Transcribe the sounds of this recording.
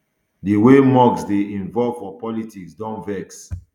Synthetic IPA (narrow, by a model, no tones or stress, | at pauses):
diwemɔɡsdeĩnvɔlv̥fɔpɔlitiksdɔ̃nvɛks